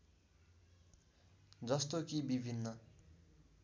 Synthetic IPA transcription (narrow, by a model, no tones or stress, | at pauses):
d͡zʌst̪okibibʱinːʌ